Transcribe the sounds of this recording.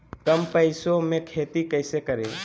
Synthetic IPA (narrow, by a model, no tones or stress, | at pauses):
kəmpəɪsomẽkʰet̪ikəɪsekəɾḛ